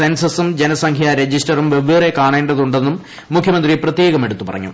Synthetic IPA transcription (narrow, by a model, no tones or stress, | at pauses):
ensɐsumd͡ʑenɐsɐŋkʰjaɾe̞d͡ʑisʈɐrumʋeʋeːrekaːɳeːɳɖɐðuɳɖe̞nːumː | ukʰjɐmɐnd̪riprɐt̪jeːɡɐme̞ɽut̪ːupɐ̰rɐ̰ɲːṵ